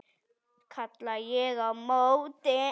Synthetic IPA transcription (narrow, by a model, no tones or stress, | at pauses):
kʰat̪lajeɣamowt̪e